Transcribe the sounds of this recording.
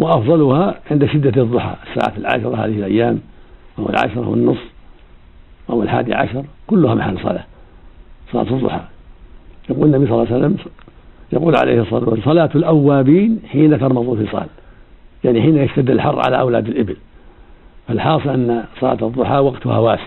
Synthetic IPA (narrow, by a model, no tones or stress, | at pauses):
wɪʔɑfðˤɑlʊhaʕɪnd̪aʃɪd̪ːaðˤːʊħɑ̰ːʔɪsːa̰ːʕa̰lʕa̰ʃɑɾˤɑha̰ːðɪhɪlʔajːaːmʔawɪ̰lʕa̰ʃɑɾˤa̰wɪ̰nːʊsˤː | ʔawɪlħa̰ːd̪ḭʕa̰ʃɑɾˤkʊlːʊhamaħaːlːsˤɑ̰la̰ː | sˤɑla̰ːt̪ɨðˤːʊ̰ħɑ̰ː | jaquːlnːabijs̬ˤɑlːɑːsalːam | jɑquːlʕa̰lḛjhɨsˤɑsˤɑlaːt̪ɪlʔawːaːbiːnħiːnat̪ɑɾˤmɑðˤufisˤɑ̰ːl | jaʕniħiːnajaʃt̪ad̪ːɪlħɑrˤːʕa̰la̰ʔawlaːd̪ɪlʔɪbɪl | falħɑːsˤɨlʔanːasˤɑla̰ːt̪ɨðˤːʊħɑːwaɡt̪ʊha̰waːsɪ̥